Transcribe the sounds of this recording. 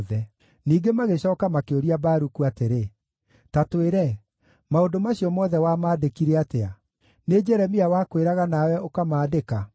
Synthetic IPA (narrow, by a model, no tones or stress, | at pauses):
ðɛ | niːɡemaɣeɕɔːkamakeoɾiabaɾukuateɾe | tatweɾɛ | maondomaɕiɔmɔðɛwamaːdekiɾɛatea | ned͡ʒɛɾɛmiawakweɾaɣanawɛʔokamaːdeka